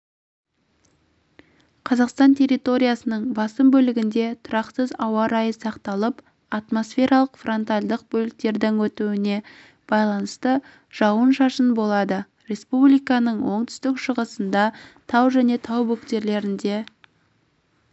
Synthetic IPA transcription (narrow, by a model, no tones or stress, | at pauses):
qʰɑzɑqst̪ɑnt̪ʰe̞ɾijt̪o̞ɾʲijasənəɴbɑsəmbɵlɪɡʲɪnd̪e̞t̪ʰʊɾɑqsəzɑwɑɾɑjəsɑqt̪ɑlˠəp | ɑt̪mo̞sfʲe̞ɾɑlˠəqfro̞nt̪alʲd̪əq̚bɵlɪk̚t̪e̞ɾd̪ɪŋwɵt̪uwɪne̞ | b̥ɑjlˠɑnəst̪ə | ʒ̥ɑwənʃɑʃənbo̞lˠɑd̪ə | ɾe̞spublijkɑnəɴwo̞ɴt̪ʏ̥st̪ɪkʃəʁəsənd̪ɑt̪ʰɑwʒæne̞t̪ʰɑwbɵkt̪e̞ɾle̞ɾɪnd̪e̞